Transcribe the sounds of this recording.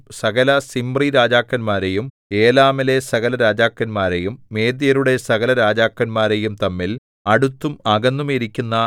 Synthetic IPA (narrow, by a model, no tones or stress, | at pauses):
sɐɣɐlɐsimbriɾaːd͡ʑaːkːɐnmaːɾe̞jum | e̞ːlaːmile̞sɐɣɐlɐɾaːd͡ʑaːkːɐnmaːɾe̞jumːe̞ːd̪jɐɾuɽe̞sɐɣɐlɐɾaːd͡ʑaːkːɐnmaːɾe̞jumt̪ɐmːil | ɐɽut̪ːumɐɡɐnːumiɾikʲːunːɐ